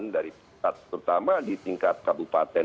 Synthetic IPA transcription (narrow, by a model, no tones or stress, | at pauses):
ndaɾipiat̪̚pəɾut̪amadit̪iŋkat̪̚kabupa̰t̪ɛ